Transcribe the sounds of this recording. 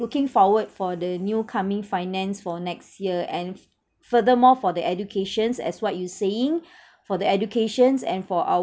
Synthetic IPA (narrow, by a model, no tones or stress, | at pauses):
ukɪ̃ŋfɔwəd̚fɔdənjukʰamɪ̃ŋfaɪnɛ̃nsfɔnɛkstjiəɛ̃n | fədəmɔfɔdəʔɛdukʰeʃə̃nsɛ̰swɔt̚juseɪ̃ŋ | fɔdəɛd͡ʒukʰeʃə̃nsɛ̰̃nfɔʔa̰